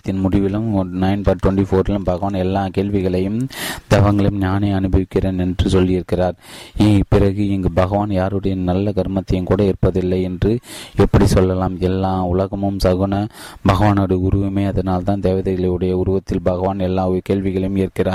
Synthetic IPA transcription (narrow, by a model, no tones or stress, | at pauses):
t̪ːɪnmʊɽɪʋɪlɯmnɐɪnpɐɾʈwɐɳʈifoːɾɪlɯmbɐɣɐʋaːnɛlːaːkeːɭʋɪɣɐɭɐjɯmd̪̥ɛʋɐŋɡɐɭjɯmɲaːneːɐnɯbɐʋɪkːɪreːnɛndrɯsɔlːɪɪɾɯkːɪraːɾiːɡpɪɾɐɣɯɛŋɡɐbɐɣɐʋaːnjaːɾɯɽɐjɐnɐlːɐɡɐɾmɐt̪ːɐjɯmkuːɽɐɪɾpːɐðɪlːɐɪɛndrɯɛpːɐɽisɔlːɐlaːmɛlːaːʊlɐɣɐmɯmsɐɣʊnɐbɐɣɐʋaːnɯɽɯʊɾʊʋɪmɐɪɐðɐnaːlt̪ãːnd̪eːʋɐðɐɣɐɭɐɯɽɐjɐʊɾʊʋɐt̪ːɪlbɐɣɐʋaːnɛlːaːɔkeːɻʋɪɣɐɭɐjɯmɪɾɯkːɪraːɾ